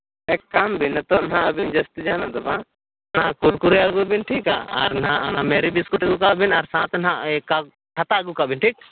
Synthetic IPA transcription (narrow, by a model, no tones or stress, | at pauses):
ɛkːambinɛt̪ɔnɦãʔəbind͡ʒəst̪id͡ʒanad̪ɔbã̰ | nakuɾkuɾɛəɡubinʈʰika̰a̰ɾnɦãʔnamɛɾibiskuʈəɡukaʔbinaɾsãt̪nɦãʔka | ʈʰat̪aəɡukaʔbinʈʰiːk̚